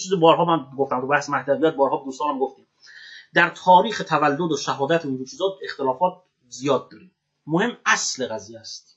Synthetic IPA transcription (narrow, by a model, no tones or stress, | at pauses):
t͡ʃʰiːzebɒːɾɦɒːmænɡoft̪æmt̪ʰubæhsemæht̪ævijæːt̪̚bɒːɾhɒːbed̪uːst̪ɒːnæmɡoft̪iːm | d̪æɾt̪ʰɒːɾiːxet̪ʰævælːod̪oʃæɦɒːd̪æt̪ʰeiːnd̪ot͡ʃʰiːzɒːe̞xt̪e̞lɒːfɒːt̪̚ | zijɒːd̪̚ːɒːɾi | mohe̞mːæsleɣæziːjæst̪